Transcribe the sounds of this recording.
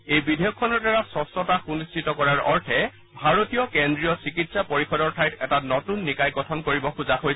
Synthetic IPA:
ejbidʱejɔkʰːɔnɔɹdaɹasɔsɔtaxunistʰitɔkɔɹaɹɔɹtʰɛ | bʱaɹotijɔkendɹijɔsikitsapoɹixɔdɔɹtʰajtɛtanɔtunːikajɡɔtʰɔnkoɹibɔxuzaɦoj

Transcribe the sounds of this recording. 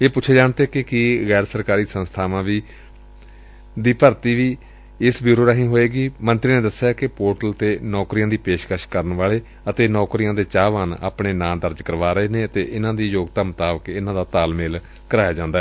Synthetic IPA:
eːpʊt͡ʃʰeːd͡ʒaːɳt̪eːkɪkiːɣɛːɾsəɾkaːɾiːsənst̪ʰaːʋãːʋiː | d̪iːpəɾt̪iːʋiː | ɪsbjuːɾoːɾaːɦĩːɦoːeːɡiːmə̃nt̪ɾiːnẽːd̪əsjaːkɪpoːʈəlt̪eːnɔːkɾijãːd̪iːpeːʃkəʃkəɾənʋaːɭeː | ət̪eːnɔːkɾijãːd̪eːt͡ʃaːʋaːna̰ːpɳeːnãːd̪əɾd͡ʒkəɾʋaːɾəɦeːneːət̪eːʔɪnãːd̪iːjoːɡt̪aːmət̪aːʋəkɪnãːd̪aːt̪aːlmeːl | kəɾaːjaːd͡ʒãːnd̪aɛ

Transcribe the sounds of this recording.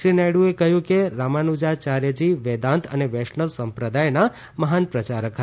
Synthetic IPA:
ɾinaɽũekəɦjũkeɾamanud͡ʒat͡ʃaɾed͡ʒiʋed̪ãnt̪ʰə̰neʋɛʃnəʋsəmpɾəd̪ajna | məɦanpɾət͡ʃaɾəkʰə

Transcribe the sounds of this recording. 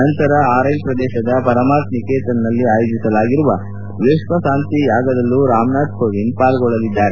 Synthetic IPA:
ɐnt̪ɐɾɐaːɾɐjnpɾɐd̪ɛːʃɐd̪ɐpɐɾɐmaːt̪nikeːt̪ɐnnɐlːiaːjoːd͡ʒisɐlaːɡiɾuʋɐ | ʋeːʃʋɐsaːnt̪ijaːɡɐd̪ɐlːuɾaːmnaːɖkoʋinpaːlɡɔɭːɐlid̪ːaːɾe

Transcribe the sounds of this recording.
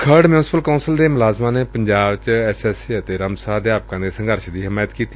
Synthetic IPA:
kʰəɾɖmjuːnsɪ̥pəlkaʊnsəld̪eːmʊlaːzmãːneːpəɲd͡ʒaːbt͡ʃɛsɛːsiːət̪eːɾəmsaːd̪jaːp̚kãːd̪eːsə̃ŋɡəɾʃd̪iːɦɪmaːjət̪kiːt̪iː

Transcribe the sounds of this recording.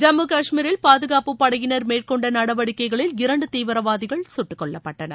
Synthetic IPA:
d͡ʒɐmɯkɐʂmiːɾɪlpaːðɯɣaːpɯpːɐɽɐjɪnɐɾmeːrkɔɳɖɐnɐɽɐʋɐɽɪkːɐɪɣɐɭɪlɪɾɐɳɖɯt̪iːʋɐɾɐʋaːðɪɣɐɭsʊʈːɯkːɔɭːɐpːɐʈːɐnɐ̰

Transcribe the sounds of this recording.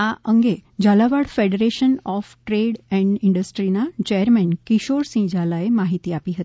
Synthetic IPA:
aʔəŋɡed͡ʑalaʋaɽfeɽeɾeɕənɔfʈɾeɽɛ̃ɳɖiɳɖəsʈɾinat͡ɕejəɾmɛnkiɕoɾsĩd͡ʑalaemaɦit̪iːapiːɦət̪i̥

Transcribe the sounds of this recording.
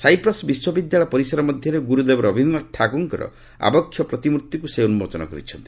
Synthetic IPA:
sajpɾɔsbiswɔbid̪jaɭɔpɔɾisɔɾɔmɔd̪ʱjɔɾeɡuɾud̪ebɔɾɔbʱinɔʈʰaɡuŋkɔɾɔ̰ | a̰bɔkʰːjɔpɾɔt̪imuɾut̪ːikuseunumot͡ʃɔnɔ̰kɔ̰ɾḭt͡ʃʰɔnt̪i̥

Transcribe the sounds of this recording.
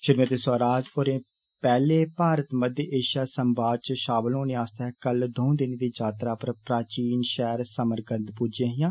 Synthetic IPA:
ʃɪɾmət̪eːsaːɾaːd͡ʒpoɾẽː | pɛːleːpaːɾət̪məd̪jʔeːʃjaːsəmbaːdt͡ʃʃaːbəlɦõːnẽːaːst̪aɦɛːkəld̪ʱõːd̪ɪnːd̪iːd͡ʒaːt̪ɾaːpəɾpɾaːt͡ʃiːnʃɛːɾsəməɾɡə̃nd̪pʊd͡ʒjãːɦɪjãː

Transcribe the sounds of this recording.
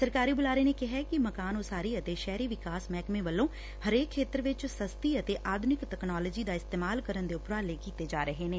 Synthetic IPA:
səɾkaːɾiːbʊlaːɾeːneːkɪɦɛkɪməkaːnosaːɾiːət̪eːʃɛːɾiːʋɪkaːsmɛːkmẽːʋəlːõː | həɾeːkʰːeːt̪əɾʋɪt͡ʃsəst̪iːət̪eːʔaːd̪ʱʊnɪkʈ̪ɛknaːləːd͡ʒiːd̪aːɪst̪eːmaːlkəɾənd̪eːʊpɾaːleːkiːt̪eːd͡ʒaːɾəɦeːnẽː

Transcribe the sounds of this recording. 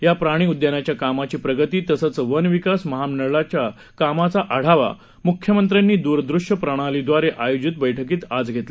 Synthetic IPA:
japɾaɽ̃iːud̪jənat͡ɕjakamat͡ɕiːpɾəɡət̪iːt̪əsət͡sʋənʋikasməɦamnəɭat͡ɕja | kamat͡saʔaɽ̤aʋa̰ | mukʰjəmənt̪̬ɾanːiːd̪uɾd̪ɾuʂjəpɾəɽ̃alid̪ʋaɾeʔajod͡ʑit̪bəjʈʰəkiːt̪ad͡zɡʱet̪le

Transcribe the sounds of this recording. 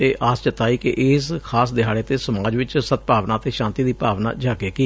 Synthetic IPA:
eːʔʔaːst͡ʃət̪aːiːkɪʔɪskʰaːsd̪ɪɦaːɽeːt̪eːsəmaːd͡ʒʋɪt͡ʃsət̪̚paːʋnaːt̪eːʃãːnt̪iːd̪iːpaːʋna̰ːd͡ʒaːkeːkiː

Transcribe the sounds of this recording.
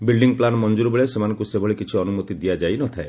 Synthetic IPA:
bilɖiŋɡplanɔmɔnd͡ʒuɾbeɭesemanɔ̃ŋkusebʱɔɭikit͡ʃʰiɔnumɔt̪id̪ijad͡ʒajnɔt̪ʰae

